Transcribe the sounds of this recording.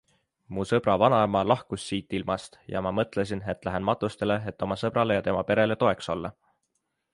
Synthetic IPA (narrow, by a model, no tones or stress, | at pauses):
musɤb̥ɾɑvɑnɑemɑlɑhkusːiːt̪ːˑilmɑst̪jɑ̰mɑmɤt̪ˑle̞s̬ine̞t̪ːˑlæɦenmɑt̪ˑːust̪e̞le̞et̪ːˑo̞mɑsɤb̥ɾɑle̞jɑt̪e̞mɑpe̞ɾe̞le̞t̪o̞e̞kso̞lːɑ